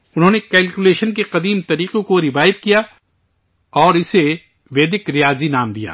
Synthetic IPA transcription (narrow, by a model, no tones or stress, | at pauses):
ʊnɦõːnekɛːlkuleːʃənkeqɐd̪iːmt̪ɐɾiːqõkoɾɪʋaːjɪt̪̚kija | ɔːɾɪse | ʋeːd̪ɪkɾɪjaːzinaːmd̪ija̰ː